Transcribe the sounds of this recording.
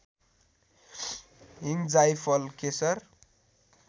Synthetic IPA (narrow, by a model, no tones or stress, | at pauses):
ɦiŋd͡zajpʰʌlkesʌr